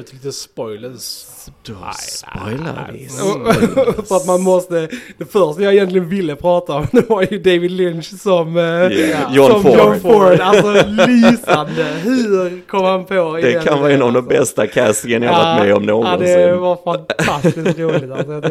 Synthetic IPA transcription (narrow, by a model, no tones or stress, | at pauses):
t̪ʰliːt̪əspɔjləs | pɔjla̰ɔ | fəɾat̪manmɔst̪əd̪̥ɛfœʂʈəjaɪjɛnt̪lɪɡənvɪlːəpʰɾɑːt̪aɔmd̪ɛvaɾjɵd̪evɪd̪lɪnʃsɔm | jɔsɔmjɔnfɔɾnalsɔlisand̪əɦʉɾkʰɔmːhanpʰoɪd̪ɛɛkʰanvɑːɛnːavd̪ɛmbɛst̪akʰæsɪɡənjahaamɛ̰ɔmnoːɡɔd̪ɛvaɾfant̪ʰast̪ɪst̪ɾuːllɪt̪as